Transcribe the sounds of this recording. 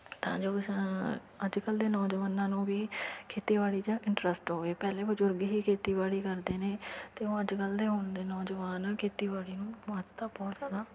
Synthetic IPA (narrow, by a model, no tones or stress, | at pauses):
t̪ã̰ːd͡ʒoːɪs | əd͡ʒkəld̪eːnɔːd͡ʒəʋaːnãːnũːʋiːkʰeːt̪iːʋaːɽiːd͡ʒãːʔɪɳʈɾəsʈɦoːʋeːpɛːleːbəd͡ʒʊɾɡɦiːkʰeːt̪iːʋaːɽiːkəɾd̪eːneːt̪eːõːəd͡ʒkəld̪eːɦʊɳd̪eːnɔːd͡ʒəʋaːnkʰeːt̪iːʋaːɽiːnũːmət̪t̪aːbɔːt̪zjaːd̪aː